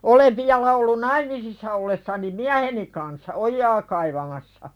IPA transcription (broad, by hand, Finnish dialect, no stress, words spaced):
oleʋ ʋiɑlɑ olːun nɑimisisːɑ olːesːɑni miæheni kɑnsːɑ ojːɑː kɑiʋɑmɑsːɑ